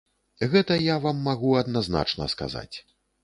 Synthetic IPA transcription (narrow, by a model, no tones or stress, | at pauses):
ɣɛt̪ɐjavamːaɣuɐd̪nazna̰t͡ʂnɐ̰ska̰za̰t͡sʲ